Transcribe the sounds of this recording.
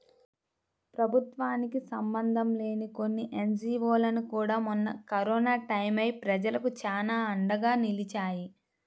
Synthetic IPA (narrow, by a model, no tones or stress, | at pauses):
pɾɐbʱut̪ʋaːnikisɐmbɐnd̪ʱɐmle̞ːniko̞nːiʔe̞nd͡ʒiːʋoːlɐnukuːɽaːmunːɐkɐɾɔːnaːʈɐjmɐjpɾɐd͡ʒɐlɐkut͡ʃaːnaːɐɳɖɐɡaːnilit͡ʃaːji